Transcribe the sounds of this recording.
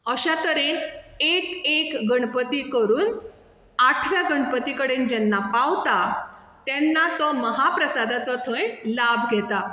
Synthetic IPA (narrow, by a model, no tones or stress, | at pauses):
əɕat̪əɾenekekɡəɳpət̪ikəɾuːn | aʈʰʋjaɡəɳpət̪ikəɽend͡ʑɛnːapawt̪a | t̪ɛnːat̪ɔməɦapɾəsad̪at͡sɔt̪ʰõjlabʱɡʱɛt̪a